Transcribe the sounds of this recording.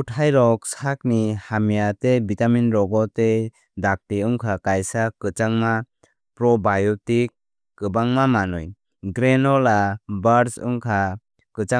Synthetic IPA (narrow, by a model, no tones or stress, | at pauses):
utʰajɾɔk̚sak̚nihamijatebitaminɾɔɡɔte | dak̚tiɯŋkʰakajsakɯt͡ʃaŋma | pɾɔbajɔtikː | ɯbaŋmamanuj | ɡɾenɔlabaɾsɯ̰ŋkʰa | kɯt͡ʃa